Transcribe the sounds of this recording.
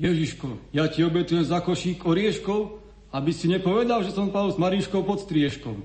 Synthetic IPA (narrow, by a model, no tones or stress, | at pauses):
jɛʒiʃkɔjaciɔbɛt̪ujɛmzakɔʃiːkɔɾɪɛʃkɔʊ | abisiɲɛpɔʋɛd̪alʒɛsɔmpad̪lzmaɾiʃkɔʊpɔt̪st̪ɾɪɛʃkɔ̰ʊ